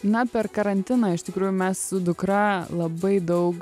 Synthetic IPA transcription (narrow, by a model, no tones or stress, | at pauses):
nɐpʲɛrkɐɾɐnʲt̪ʲɪnɑːɪʃt̪ʲɪkɾuːjʊmʲɛssʊd̪ʊkɾɐlˠɐbɐɪd̪ɐʊk